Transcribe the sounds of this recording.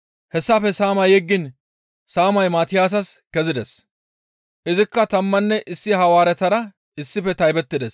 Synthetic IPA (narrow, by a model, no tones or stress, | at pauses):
hɛsːɐfɛsaːmɐjɛɡːɪn | saːmɐjmaːt̪ɪjaːs̬ɐskɛzɪd̪ɛs | ʔɪzɪkːɐt̪ɐmːɐnːɛʔɪsːɪhɐwaːɾɛt̪ɐɾɐ | ɪsːɪfɛt̪ɐjbɛt̪ːɪd̪ɛs